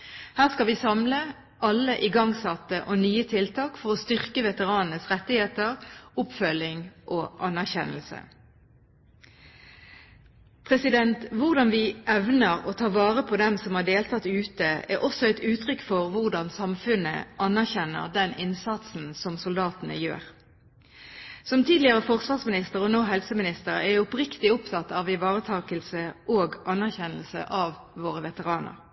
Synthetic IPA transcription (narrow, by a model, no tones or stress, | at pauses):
hæːʁskɑlʋɪsɑmlə | ʔɑlːəʔɪɡɑŋsɑt̪ːəʔoːnyːət̪ʰɪlt̪ʰɑːkfɔʁɔst̪ʏʁkəʋɛt̪əʁɑːnnəsʁɛt̪ːɪheːt̪əʁʊpfœlɪŋʔoːʔɑnːæʁçɛ̰nəl̩sə̰ | pʰʁɛsɪd̪ɛnt̪ʋʊʁd̪ɑnʋɪʔɛʋnəʁoːt̪ʰɑːʁʋɑːʁəpʰɔd̪ɛmsɔmhɑːɖeːlt̪ʰɑt̪ːʉːt̪əæ̰ʁʔɔsɔæɪt̪ʉːt̪ʰʁʏkːfɔʁʋʊʁd̪ɑnsɑmfʉnə̰ʔɑnæʁçɛnə̰ʁd̪ɛnʔɪnsɑt̪sn̩sɔmsʊld̪ɑːt̪ənə̰jø̰ːʁ | sɔmt̪ʰiːd̪lɪəʁəfɔʁsʋɑːʁsmɪnɪst̪əʁɔnoːɦɛlsəmɪnɪst̪əʁæʊpʁɪkt̪ɪʊpt̪ʰɑt̪ːɑʋɪʋɑːʁət̪ʰɑːkəlsəʔoːɡʔɑnːæʁçɛnəlsə̰ʔɑʋːoːʁəʋɛt̪əʁɑːnə̰ʁ